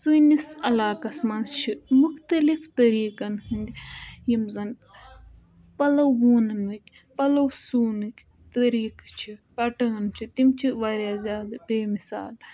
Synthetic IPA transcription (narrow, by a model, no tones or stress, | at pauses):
sɨːnisɐlaːkɐsmɐnst͡ʃʰimuxt̪ɐlift̪ɐɾiːkɐnhɨnd̪ʲijimzɐn | pɐlɐwːuːnɐnʋɨkʲ | pɐlɐwsuːnɨkʲ | t̪ɐɾiːkt͡ʃʰipɐʈɐɐnt͡ʃʰit̪imt͡ʃʰiʋaɾjaːzʲjaːd̪ɨbeːmisa̰ːl